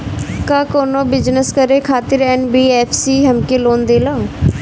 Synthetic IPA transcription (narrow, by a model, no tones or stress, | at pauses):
kaːkoːnõːbɪd͡ʒnəskəɾeːkʰaːt̪ɪɾɛːnbiːɛːpʰsiːɦəmkeːloːnd̪eːlaːo